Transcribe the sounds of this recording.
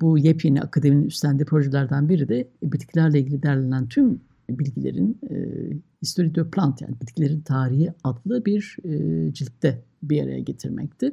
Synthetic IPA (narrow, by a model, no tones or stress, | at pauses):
bujepʰjinḭa̰kʰad̪emininyst̪ʰænd̪iːpʰɾo̞ʒelʲæɾd̪anbiɾid̪ɛbit̪cʰlʲæɾlʲˠailɟʲilʲid̪æɾlʲenænt̪ʰym | bilʲɟilʲḛɾḭn̰ | hist̪o̞ɾid̪øpʰlʲˠant̪ja̰ːnibit̪cʰilʲe̞ɾint̪ʰaːɾiɦiad̪lˠɯbiɾd͡ʒilʲt̪ːɛ | biaɾa̰ja̰ɟe̞t̪ʰiɾmɛ̰c̚t̪ʰɪ